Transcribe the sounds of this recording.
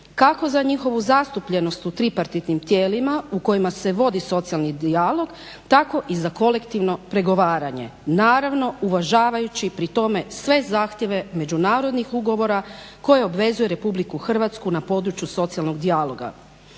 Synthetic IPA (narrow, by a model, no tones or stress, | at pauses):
kako̞zaɲixo̞ʋuzast̪upʎe̞no̞st̪ut̪ɾipaɾt̪it̪nimt̪jeːlimauko̞jimase̞ʋo̞d̪iso̞t̪sialˠnid̪ialˠo̞ɡ | t̪ako̞ʔizako̞le̞kt̪iʋno̞pɾe̞ɡo̞ʋaːɾaɲe̞̰naːɾaʋno̞uʋaʒaːʋajut͡ɕipɾit̪o̞me̞sʋe̞zaːxt̪je̞ʋe̞me̞d͡ʑunaːɾo̞d̪nixuɡo̞ʋo̞ɾako̞jeo̞bʋe̞zuje̞ɾe̞publikuxr̩ʋat̪skunapo̞ːd̪ɾut͡ɕjuso̞t̪sialˠno̞ɡd̪ialo̞ɡa̰